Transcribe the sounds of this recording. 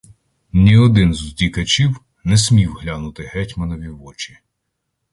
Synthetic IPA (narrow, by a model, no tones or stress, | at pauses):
nʲiɔd̪ɪnzuzʲdʲikɐt͡ʃiw | nɛsʲmʲiwɦlʲanʊt̪ɪɦɛtʲmɐnɔʋʲiʋɔt͡ʃi̥